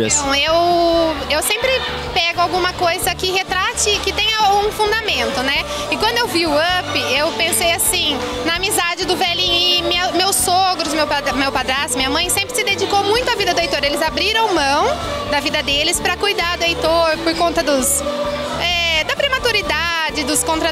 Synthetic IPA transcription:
ɐ̃ew | ewsẽmpɾɪ | pɛɡʊawɡũmɐkojzɐkɪɦet̪ɾat͡ʃɪkɪt̪ẽj̃awɡũfũnd̪amẽnt̪ʊnɛ | ɪkwɐ̃nd̪ʊewviʊɐpɪewpẽsejasĩnɐamizad͡ʒɪd̪ʊvɛlĩɪmemewsoɡɾʊzmewamewpad̪ɾasʊmĩɲ̃ɐmɐ̃j̃sẽmpɾɪsɪd̪ed͡ʒikowmũj̃t̪ʊavid̪ɐd̪ʊejt̪oɾelɪzabɾiɾɐ̃w̃mɐ̃w̃ | d̪ɐvid̪ɐd̪elɪspɾɐkujd̪aɾd̪ʊejt̪oɾpoɾkõnt̪ɐd̪ʊs | ɛd̪ɐpɾemat̪uɾid̪ad͡ʒɪd̪ʊskõt̪ɾɐ

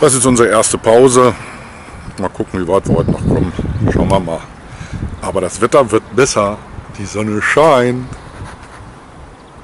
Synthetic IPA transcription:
d̥as̬jɛstʔʊnzəʁəʔeːɐstəpʰaʊzə | maːlkʰʊkŋ̩viːvaɪtv̥iːɐhɔʏtənɔχkʰɔmənʃa̰ʊnvaːɐma̰ːl | ʔaːbɐɾasv̥ɛtɐvɪɐtb̥ɛsɐd̥iːzɔnəʃaɪnt

